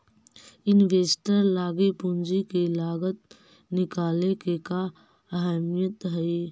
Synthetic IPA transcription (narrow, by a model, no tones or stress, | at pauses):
ɪnʋeːsʈəɾlaːɡipʊnd͡ʒikilaːɡət̪̚ | nɪkaːlekeka | əɦɛːmijət̪ɦɛi